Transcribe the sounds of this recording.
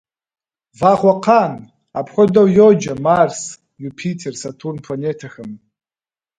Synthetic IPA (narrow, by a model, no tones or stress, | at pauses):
vaχʷaqʰan | apʰχʷɔdowjod͡ʒamars | jupʰitʰersatʰurnpʰanetʰaxɨm